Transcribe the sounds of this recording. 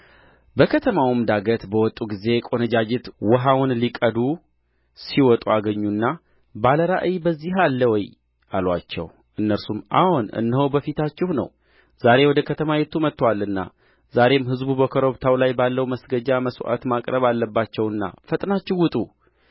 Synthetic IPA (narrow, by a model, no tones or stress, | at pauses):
bəkʰət̪ʰəmawmd̪aɡət̪bəwɔt̪ʼuɡize̞kʼo̞nəd͡ʒad͡ʒɪt̪wɔɦawʊnlikʼəd̪u | siwɔt̪ʼuaɡəɲːunːa | baləɾa̰ʔɨjbəzːiɦalːəwɔj | ʔalwat͡ʃːɛ̰w | ʔɨnːəɾsumʔa̰hunɨ̰nːəhobəfit̪ʰat͡ʃːɪhnə̰w | z̥aɾe̞wɔd̪əkʰət̪ʰəmajɛt̪ʰːumət̪ːwalɨnːa̰ | zaɾe̞mɦɨzbubəkʰəɾo̞βt̪ʰawlajbalːəwməsɡəd͡ʒaməso̰ʔa̰t̪makʼɾəβalːəbːat͡ʃːɛwɨnːa̰fət̪ʼnat͡ʃːɪwʊt̪ʼu